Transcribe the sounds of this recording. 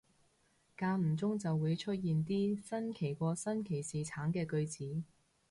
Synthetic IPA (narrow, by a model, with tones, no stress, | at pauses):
kaː˧m̩˨˩t͡sʊ˥ŋt͡sɐ˨wːuː˨˧jt͡ʃʰɵ˥t̚jiː˨nt̪̬iː˥sɐ˥nkʰe˨˩jkʷɔː˧sɐ˥nkʰe˨˩jsiː˨t͡sʰaː˨˥ŋkɛː˧kɵ˧ɥt͡siː˨˥